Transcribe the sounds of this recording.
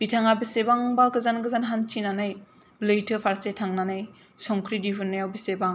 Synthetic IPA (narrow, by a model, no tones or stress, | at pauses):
b̥itʰaŋabisebaŋbaɡɯzanɡɯzanɦant͡ʃinanɯj | lɯjtʰɯpʰaɾsetʰaŋnanɯj | sɔŋkʰɾidiɦunːajawbisebaŋ